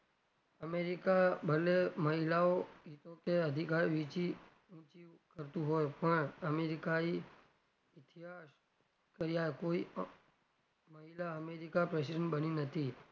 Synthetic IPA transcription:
əmeɾikabʱəleməɦilaoit̪okeəd̪ʱikaɾʋit͡ʃi | ũt͡ʃikəɾt̪ũɦojpəɳəmeɾikai | ɪt̪ʰiɦas | kəɾjaekoi | məɦilaəmeɾikapɾɛs̬iɖəɳʈbəninət̪ʰi

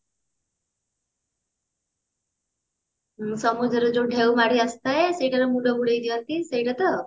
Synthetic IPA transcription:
sɔmud͡ʒɔɾɔd͡ʒoɖʱewmaɽiast̪aesejʈaɾɔmũɖɔbuɽejd̪iant̪isejʈat̪ɔ

